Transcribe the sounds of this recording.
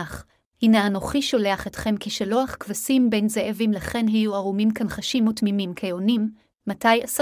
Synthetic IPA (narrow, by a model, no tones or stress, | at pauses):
aχ | hineanoχiʃo̞le̞aχetχe̞mkiʃeloaχkvasimbejnzeʔavimlaχe̞nɦajuaʁumimkanχaʃimːotmimimkʰejonimː | atajas